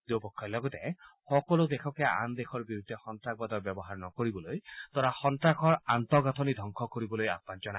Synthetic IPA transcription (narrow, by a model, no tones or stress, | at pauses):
d̪opɔkʰːɔjlɔɡɔt̪ehɔkɔlod̪ekʰɔkeaʔa̰nd̪ekʰɔɹbiɾud̪ʱːexɔntɾak̚bad̪ɔbjɔbɔɦaɾnɔkoɾibɔlojt̪ɔɾahɔntɾakʰɔɹant̪ɔɡat̪ʰɔnid̪ʱɔŋkʰɔkoɾibɔloja̰pand͡ʒɔna